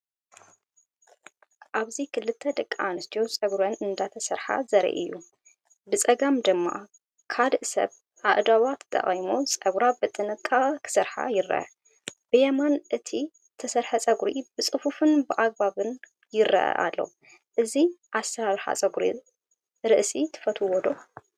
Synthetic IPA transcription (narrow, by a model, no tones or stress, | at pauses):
ʔaβzikʰɨlːɨt̪ʰːɐd̪ɐkʼːaʔanɨst̪ʰijosʼɐɡɾɐnɨnd̪at̪ʰɐsɐɾħa̰zɐɾḭʔɨ̰jːu | bɨt͡sʼɐɡamd̪ɨmːa̰ | kʰad̪ʔsɐ̰β | ʔaʔd̪awat̪ʰt̪ʰːɐ̰χʼjmosʼɐɡɾabɨt̪ʼːɨnɨkʼːakʰɨ̥sɐɾħa̰jɪɾːɐ̰ʔɐ̰ | b̥ɨjɛmanʔɨt̪ʰi | t̪ʰɐsɐɾħɐt͡sʼɐɡɾibɨt͡sʼɨfufɨnbɨʔaɡ̚baβɨn | jɪɾːɐ̰ʔɐ̰ʔa̰lːo̰ | ʔɨziʔast̪ɐβaβɾħa̰t͡sʼɐɡɾḭ | ɾɨʔsit̪ʰɨ̥fɐt̪ʰuwɔd̪o̞